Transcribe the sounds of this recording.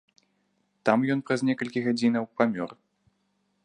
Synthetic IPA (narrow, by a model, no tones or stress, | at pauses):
t̪amjɔnpɾɐznʲɛkɐlʲkʲiɣad͡zʲinɐwpamʲɔ̰r